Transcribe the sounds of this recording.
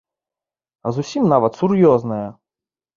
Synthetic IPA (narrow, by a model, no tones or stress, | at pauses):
ɐzʊsʲimnɑʋɐt̪sʊrjɔznɐjɐ